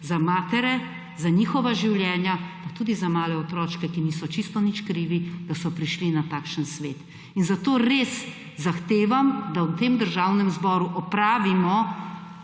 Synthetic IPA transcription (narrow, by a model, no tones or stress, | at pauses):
zamaːt̪ɛɾɛ | zaɲiːxɔʋaʒiwljɛːnjapat̪uːd̪izamaːlɛɔt̪ɾɔːt͡ʃkɛkiniːsɔt͡ʃist̪ɔnit͡ʃkɾiːʋid̪̥asɔpɾiʃlinat̪aːkʃənsʋḛːt̪ | inzat̪oːɾeːs | zaxt̪eːʋamd̪awt̪emd̪əɾʒawnɛmzbɔːɾuʔɔpɾaːʋimɔ